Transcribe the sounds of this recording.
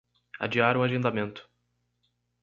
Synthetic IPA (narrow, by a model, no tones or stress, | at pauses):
a̰d͡ʒiaɾũaʒẽnd̪amẽnt̪ʊ̥